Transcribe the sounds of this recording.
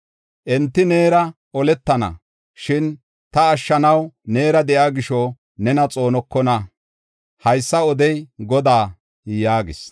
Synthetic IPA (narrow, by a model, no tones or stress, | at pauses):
ʔɛnt̪ːɪne̞ːɾɐ | ɔlɛt̪ːɐnɐ̰ | ʃɪn | t̪ɐːʃːɐnɐwne̞ːɾɐd̪ɛʔjaːɡɪʃɔ | nɛnɐt͡sʼo̞ːnɔkːɔnɐ | hɐjsːɐɔd̪ɛjɡɔd̪aː | jaːɡɪ̰s